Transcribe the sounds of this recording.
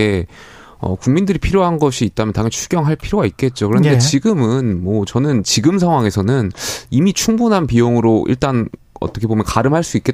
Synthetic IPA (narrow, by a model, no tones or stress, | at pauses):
e | ʌ̰kuŋmindɯɾipʰiɾjoɦanɡʌɕʰiːt̚t͈amjʌntaŋɦet͡ɕʰuɡjʌŋɦaɭpʰiɾjoɡait̚k͈e̞t̚t͡ɕ͈okɯɾʌndet͡ɕiɡɯmɯnmwʌt͡ɕʌnɯnt͡ɕiɡɯmsʰaŋɦwaŋe̞sʰʌnɯnimit͡ɕʰuŋbunɦanpijoŋɯɾoʔḭɭt͈an | ʌ̰t͈ʌkʰebomjʌnkaɾɯmɦaɭs͈uik͈e̞